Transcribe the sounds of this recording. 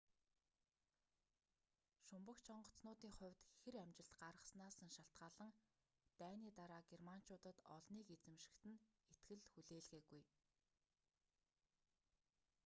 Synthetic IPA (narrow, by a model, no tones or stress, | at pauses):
ʃʊmpə̆kt͡ɕʰɔɴɢɞ̆t͡sʰnʊːt̪iːŋχʊ̟wʲt̪xeɾæmt͡ɕɪ̆ɬt̪ɢaɾʁə̆snaːsə̆ŋʃaɬt̪ɢaːɮə̆ŋ | t̪æːniːt̪aɾaːɡerman̥t͡ɕʊːt̪ə̆t̪ɔɮniːket͡sɘ̆mʃɪ̥̆kt̪ɘ̆net̪ɡɘ̆ɮxuɮeːɮɣeːɡuj